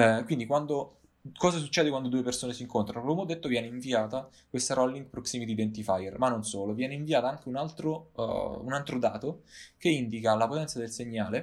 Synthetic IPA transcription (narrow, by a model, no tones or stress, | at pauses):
kwind̪ikwand̪o | kɔːzas̬ut͡ʃːɛːd̪ekwand̪od̪uːepersoːnesiŋkont̪ɾanoklomeɔd̪ːet̪ːovjɛːneiɱviaːt̪a | kwest̪aɾolːiŋɡpɾoksimit̪iːd̪ent̪ifajermanːonsoːlovjɛːneiɱviaːt̪aaŋk̟eunalt̪ɾo̰unalt̪ɾod̪aːt̪okeind̪ikalapot̪ɛnsad̪elseɲːaːle